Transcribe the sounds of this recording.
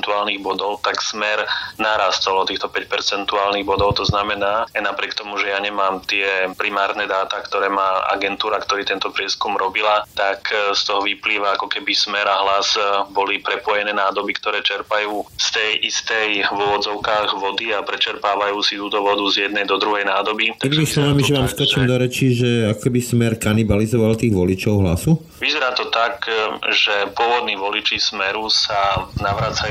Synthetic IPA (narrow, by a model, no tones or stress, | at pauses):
nt̪uaːlniɣbɔd̪ɔʊt̪aksmɛɾnaɾast̪ɔlɔt̪iːxt̪ɔpɛcpɛɾt͡sɛnt̪uaːlniɣbɔd̪ɔʊt̪ɔznamɛnaːajnapɾɪɛkt̪ɔmuʒɛjaɲɛmaːmt̪ɪɛpɾimaːɾnɛd̪aːt̪akt̪ɔɾɛːmaːa̰ɡɛnt̪uːɾakt̪ɔɾiːt̪ɛnt̪ɔpɾɪɛskumɾɔbilat̪akst̪ɔɦɔʋipliːʋaakɔkɛbismɛɾaɦlazbɔlipɾɛpɔjɛnɛːnaːd̪ɔbikt̪ɔɾɛːt͡ʃɛɾpajuːst̪ɛjʔist̪ɛjʋɔd͡zɔʊkaːɣʋɔd̪iapɾɛt͡ʃɛɾpaːʋajuːsit̪uːt̪ɔʋɔd̪uzjɛd̪̚nɛjd̪ɔd̪ɾuɦɛjnaːd̪ɔbit̪inimislɔʋamiʒɛʋaːmskɔt͡ʃiːmd̪ɔɾɛt͡ʃiʒɛakɔkɛbismɛɾkanibalizɔʋalt̪iːɣʋɔlit͡ʃɔʊɦla̰su | ʋizɛɾaːt̪ɔt̪akʒɛpʊɔʋɔd̪niːʋɔlit͡ʃismɛɾusanaʋɾaːt͡saj